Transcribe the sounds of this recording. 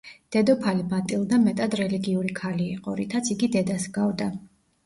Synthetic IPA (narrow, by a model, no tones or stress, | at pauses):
d̪̥ɛd̪ɔpʰalimat̪ʼilˠd̪amɛt̪ʼad̪ɾɛliɡiuɾikʰaliːqʼɔ̰ɾit̪ʰat̪sʰiɡid̪ɛd̪asɡavd̪a